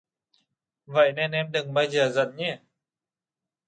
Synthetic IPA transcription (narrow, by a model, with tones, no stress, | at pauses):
və̰˧˨jne˧nʔɛ˧mɗɨ˨˩ŋɓaː˧jzəː˨˩zə̰˧˨nɲɛ˧˩